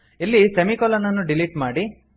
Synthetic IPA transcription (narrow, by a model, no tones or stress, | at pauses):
ilːisemikɔlɐnɐnːuɖiliʈmaːɽi